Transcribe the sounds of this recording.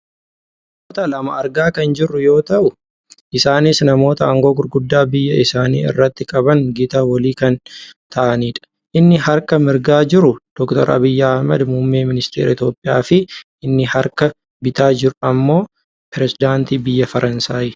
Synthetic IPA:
nnɐmmoːt̪ɐlɐmɐɐɾɡaːkɐnd͡ʒɪrːʊjo̞ːt̪ɐʔʊ | ʔɪsaːnɪsnɐmo̞ːt̪ɐɐŋɡo̞ːɡʊɾɡʊd̪ːaːbɪjːɐʔɪsaːnḭːɪ̰rːɐt̪ːɪkʼɐbɐŋɡit̪aːwɐliːkɐnt̪ʰɐʔɐniːᶑɐ̥ | ʔɪnːɪɦɐɾkɐmɪɾɡaːd͡ʒɪɾʊd̪̥ɔkt̪ɔ̰ɾʔɐ̰bɪjːɐɐhmɐ̰d̪mʊmːeːmɪnɪst̪ḛːɾɐɪt̪jo̞ːpʼːɪjaːfɪ | ɪnːɪhɐɾkɐ | bɪt̪aːd͡ʒɪɾʊɐmːo̞ː | pɪɾɛsɪd̪aːnt̪iːbɪjːɐfɐɾʔɐnsaːjɪ

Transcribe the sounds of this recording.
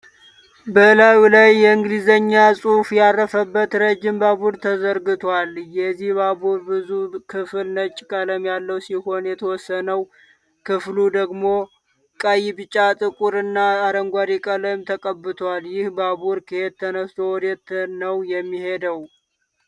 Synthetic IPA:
bəlawlajːɛɨŋɡɨlizəɲːasʼufjarːəfəbːət̪ɾəd͡ʒːɪmbabuɾt̪ʰəzəɾɡɨt̪ʰwaljɛzːihbabuɾbɨzukʰɨfɨlnət͡ʃʼːkʼələmjalːəwsiho̞njɛt̪ʰəwɔsːənəw | kʰɨflud̪əɡmo̞ | kʼajɪbɨt͡ʃʼːat̪ʼɨkʼuɾɨnːaːɾəŋɡʷaɾikʼələmt̪ʰəkʼəbːɨt̪ʰaljɪhbabuɾkʰeed̪̚t̪ʰːənəst̪ʰo̞wɔd̪et̪ʰːnəwjɛmːihe̞d̪əw

